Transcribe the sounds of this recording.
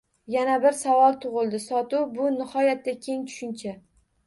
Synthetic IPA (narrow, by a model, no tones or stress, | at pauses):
janabɪɾsavɒlˠt̪ʰʊʁɨlˠd̪ɪsɒt̪ʊbʊnɪhɒjat̪ːakʲʰe̞ŋt͡ʃ̪ʰʊ̥ʃɪnt͡ʃʰa